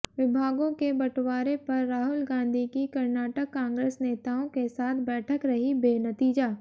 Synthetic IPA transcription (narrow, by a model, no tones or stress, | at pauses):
ʋɪbʱaːɡõkebɐʈwaːɾepɐɾːaːɦʊlɡãːnd̪ʱikikɐɾnaːʈəkkːãːŋɡɾeːsneːt̪aːõkesaːt̪ʰbɛːʈʰəkɾɐɦibeːnɐt̪iːd͡ʒaː